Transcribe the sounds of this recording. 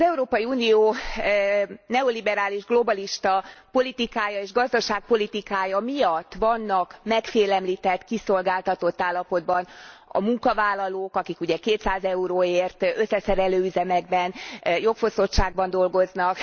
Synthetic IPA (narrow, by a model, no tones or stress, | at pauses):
zɛuɾoːpɒjiuːnijoː | nɛo̞libɛɾaːliʒɡlo̞bɒliʃt̪ɒpo̞lit̪ikaːjɒeːʒɡɒzd̪ɒʃaːk̚po̞lit̪ikaːjɒmijɒt̪ːvɒnːɒkmɛkfeːlɛmlit̪ɛt̪ːkiso̞lɡaːlt̪ɒt̪o̞t̪ːaːlːɒpo̞d̪bɒnɒ̰muŋkɒvaːlːɒloːkɒkikuɟɛkeːt̪saːzɛuɾoːeːrt̪ø̞sːɛsɛɾɛløːyzɛmɛɡ̚bɛnjo̞kfo̞so̞t̪ʃaːɡbɒnd̪o̞lɡo̞znɒk